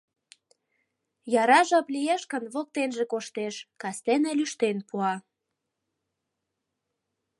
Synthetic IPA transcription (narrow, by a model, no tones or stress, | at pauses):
jɑɾɑʒɑplijeʃkənβok̚t̪enʒekoʃt̪eʃkɑst̪enelyʃt̪enpuɑ